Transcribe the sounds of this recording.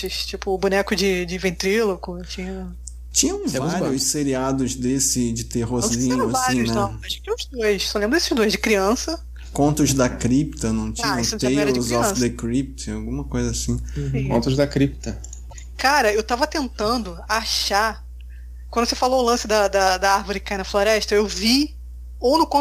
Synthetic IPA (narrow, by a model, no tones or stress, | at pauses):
ɪʃt͡ʃipʊːbunɛkʊd͡ʒɪd͡ʒɪvẽnt̪ɾilokʊt͡ʃĩɲɐ | t͡ʃĩɲɐ̃w̃vɾiʊsseɾiad̪ʊzd̪esɪd͡ʒɪt̪eɦozĩɲʊasaĩnɐ̃ɐẽʊzd̪ojʃsɔlẽmbɾɐesɪʒd̪ojʒd͡ʒɪkɾiɐ̃sɐ | kõnt̪ʊzd̪ɐkɾipt̪ɐnɐ̃w̃t͡ʃĩɲɐ̃st̪eɛzɔfsd̪ekɾip̚t͡ʃawɡũmɐkojzɐasĩkõnt̪ʊzd̪ɐkɾip̚t̪ɐ | kaɾɐewt̪avɐt̪ẽnt̪ɐ̃nd̪ʊaʃa | kwɐ̃nd̪ʊsefaloʊlɐ̃sɪd̪ɐd̪ɐd̪ɐaɾvʊɾɪkajnɐfloɾɛʃt̪ɐewvi | ownʊkõ